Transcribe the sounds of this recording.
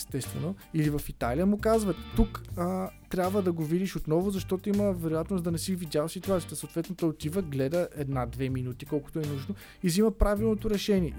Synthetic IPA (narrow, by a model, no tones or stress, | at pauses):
ɛst̪ɛst̪vɛ̰noilivəfit̪aliəmʊkazvət̪t̪ːuk | t̪ɾʲabvəd̪ɐɡovid̪iʃot̪nɔvʊzɐʃt̪ɔt̪oiməvɛɾojat̪nosd̪ɐnɛsivid̪ʲaləsit̪uat̪siət̪əsɐot̪vɛt̪not̪ɔjot̪ivəɡlɛd̪əɛd̪nad̪vɛminut̪ikɔlˠkʊ̥t̪oɛnuʒno | iziməpɾavilˠnot̪oɾɛʃɛnʲiɛ